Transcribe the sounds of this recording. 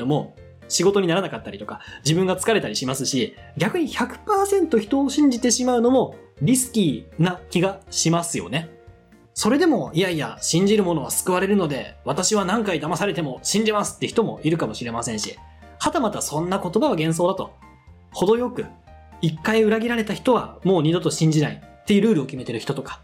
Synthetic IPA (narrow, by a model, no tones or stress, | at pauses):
d̪omo̞ | ɕiɡo̞t̪o̞ɲ̟inaɾanakat̪ːaɾʲit̪o̞kad͡ʑibɯ̟ŋɡat͡sɨ̥kaɾe̞t̪aɾʲiɕimasɨɕi | ɡʲakɯ̟ɲ̟içakɯ̟̥paːsẽ̞nt̪o̞çi̥t̪o̞ːɕĩɲ̟d͡ʑit̪e̞ɕimaɯ̟no̞mo̞ɾʲisɨ̥kʲinakʲiɡaɕimasɨjo̞̰ne̞ | so̞ɾe̞d̪e̞mo̞ijaia̰ɕĩɲ̟d͡ʑiɾɯ̟mo̞no̞βasɨ̥kɯ̟βaɾe̞ɾɯ̟no̞d̪e̞̰βat̪aɕiβanãŋkaid̪amasaɾe̞t̪e̞mo̞ɕĩɲ̟d͡ʑimasɨ̥t̪ːe̟çi̥t̪o̞mo̞̰ʔiɾɯ̟kamo̞ɕiɾe̞masẽ̞ɰ̃ɕi | hat̪amat̪asõ̞nːako̞t̪o̞baβaɡẽɰ̃s̬o̞ːd̪at̪o̞ | ho̞d̪o̞jo̞kɯ̟ikːaiɯ̟ɾaɡʲiɾaɾe̞t̪açi̥t̪o̞β̞a̰mo̞ːɲ̟id̪o̞t̪o̞ɕĩɲ̟d͡ʑinaḭt̪ːe̞jɯ̟ɾɯ̟ːɾɯ̟okʲime̞t̪e̞ɾɯ̟çi̥t̪ot̪o̞kḁ